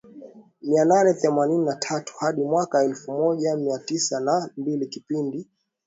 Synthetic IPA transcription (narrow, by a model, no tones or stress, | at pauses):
miananɛθɛmanininatʰatu̥haɗimwakaɛlfumɔʄamiatisanambilikipindi